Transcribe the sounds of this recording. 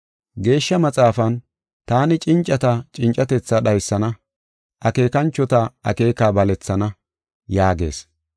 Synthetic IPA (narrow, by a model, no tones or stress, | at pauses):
ɡe̞ːʃːɐmɐt͡sʼaːfɐn | t̪aːnɪt͡ʃʼɪnt͡ʃʼɐt̪ɐt͡ʃʼɪnt͡ʃʼːɐt̪ɛt͡sːɐɗɐjsːɐnɐ | ʔɐke̞ːkɐnt͡ʃːɔt̪ɐʔɐ̰ke̞ːkaːbɐlɛt͡sːɐnɐ | jaːɡe̞̰ːs